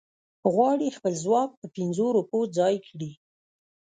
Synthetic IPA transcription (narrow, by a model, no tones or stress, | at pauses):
ɣwɑɽixpəlzwɑk̚pəpɪnzoɾupod͡zɑjkɽi